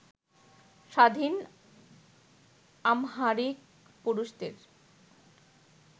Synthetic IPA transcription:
ʃad̪ʱin | amɦaɾik̚ | puɾuʃd̪ḛɾ

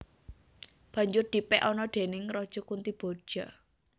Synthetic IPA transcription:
b̥ä̤ɲd͡ʒʊrd̪̥i̤pɛʔɔnɔɖ̪̥e̤nɪŋɾɔd̥ʒ̥ɔ̤kunt̪ib̥o̤d̥ʒ̥a̤

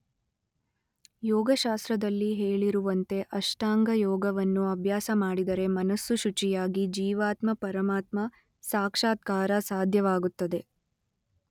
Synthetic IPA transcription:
jɔːɡɐʃaːst̪ɾɐd̪ɐlːiɦeːɭiɾuʋɐnt̪e̞ʔɐʂʈaːŋɡɐjɔːɡɐʋɐnːuɐbʱjaːsɐmaːɽid̪ɐɾe̞mɐnɐsːuʃut͡ʃijaːɡid͡ʒiːʋaːt̪mɐpɐɾɐmaːt̪mɐ | saːkʂaːt̪̚kaːɾɐsaːd̪ʱjɐʋaːɡut̪ːɐd̪e̞

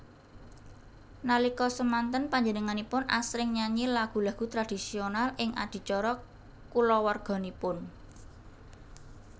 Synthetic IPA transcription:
nalikɔsəmant̪ənpaɲd͡ʒənəŋanipʊnʔa̰sɾɪŋɲaɲilaɡ̥ṳlaɡ̥ṳt̪ɾad̥i̤sionalɪŋa̰d̪̥i̤t͡ʃɔɾɔ | kulɔwarɡ̥ɔ̤nipʊn

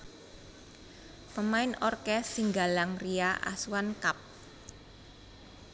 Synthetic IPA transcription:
pəmaɪnɔrkɛsːiŋɡalaŋriaʔa̰suwankap̚

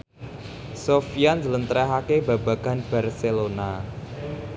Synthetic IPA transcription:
sofianzələnt̪ɾɛɦakeba̤baɡ̥a̤nb̥a̤rselona

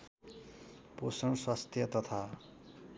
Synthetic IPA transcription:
posʌnswast̪ʰjʌt̪ʌt̪ʰa

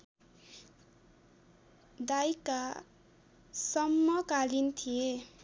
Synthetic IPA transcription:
d̪ajka | sʌmːʌkalint̪ʰije

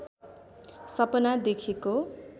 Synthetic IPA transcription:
sʌpʌnad̪ekʰeko

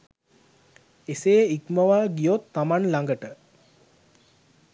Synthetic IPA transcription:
eseːikməʋaːɡijot̪ːamanlaŋɡəʈə

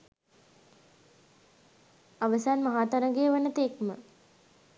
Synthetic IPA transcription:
aʋəsaːnmaɦaːt̪aɾəɡejəʋənət̪ekmə̰

